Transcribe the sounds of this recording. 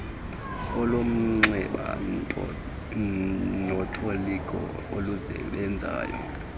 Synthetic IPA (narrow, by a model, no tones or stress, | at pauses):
ɔlom̩ŋ͡ǀɛɓa | nɔtʰʼolikʼɔ̰ | oluzɛ̰ɓɛnd͡zʱa̰ːjɔ̰